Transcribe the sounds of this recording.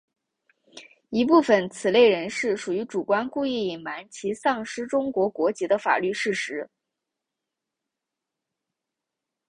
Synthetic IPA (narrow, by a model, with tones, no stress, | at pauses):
i˧˥pu˥˩fə˨˩nt͡sʰɹ̩˨˩le˥˩ɪɻə˧˥nʂɻ̩˥˩ʂu˨˩y˧˥ʈ͡ʂu˨˩kwa˥nku˥˧i˥˩i˨˩nma˧˥nt͡ɕʰi˧˥sɑ˥˩ŋʂɻ̩˥ʈ͡ʂʊ˥ŋkwɔ˧˥kwɔ˧˥t͡ɕi˧˥d̪ə˧fa̰˨˩ly˥˧ʂɻ̩˥˩ʂɻ̩˧˥